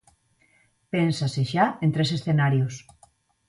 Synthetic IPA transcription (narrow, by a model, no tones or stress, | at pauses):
pensaseʃaent̪ɾes̬esθenaɾjos